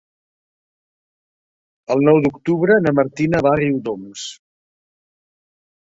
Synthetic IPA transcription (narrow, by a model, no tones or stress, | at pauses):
əlˠnɔwd̪ukt̪uβɾənəməɾt̪inəβariwd̪oms